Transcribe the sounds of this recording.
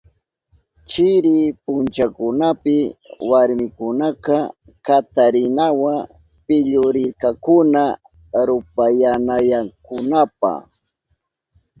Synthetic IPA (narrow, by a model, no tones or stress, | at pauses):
t͡ʃɪɾɪpʊnt͡ʃakʊnapɪwaɾmɪkʊnakɑ | kat̪aɾɪnawa | pɪʎʊɾɪɾkakʊna | ɾʊpajanajaŋkʊnapa̰